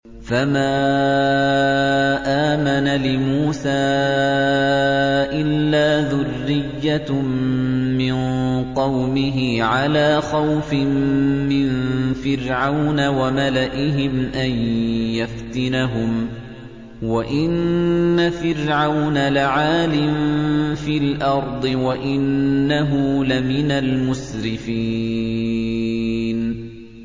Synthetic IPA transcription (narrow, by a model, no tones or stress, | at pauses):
famaː | ʔaːmanalɪmuːsaː | ʔɪlːaːðʊrːɪjːa | mɪnqɑwmɪɦɪʕalaːxawfɪmmɪnfɪɾʕawnawamalaʔɪɦɪmʔanjaft̪ɪnaɦʊm | waʔɪnːafɪɾʕawnalaʕaːlɪmfiːlʔɑɾˤd̪ˤɨwaʔɪnːaɦʊlamɪnalmʊsɾɪfiː | n